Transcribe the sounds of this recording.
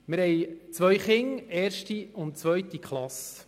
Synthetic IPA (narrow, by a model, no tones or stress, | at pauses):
mɪɾhɛjt͡sʋœɥχɪŋeːɾʃtiʊntt͡sʋœɥt̪ikχlɑs